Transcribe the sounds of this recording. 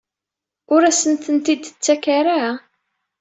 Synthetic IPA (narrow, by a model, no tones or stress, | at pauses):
ʊɾæsənt̪ənt̪id̪t͡sːækaɾa